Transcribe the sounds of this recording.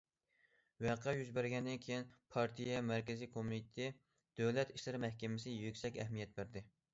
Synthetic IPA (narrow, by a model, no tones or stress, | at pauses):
wɛqʰɛjyzbæɾɡʲɛnd̪ɪnkʲʰejinpʰɑɾt̪ʰijɛmæɾkʲɪzikʰomit̪t̪ʰɪ | d̪̥øwlɛt̪iʃlɨɾɪmɛhkʲɪmɪsɪjøkʲsɛkʲɛ̰ɦmijɛt̪̚bɪɾd̪ɪ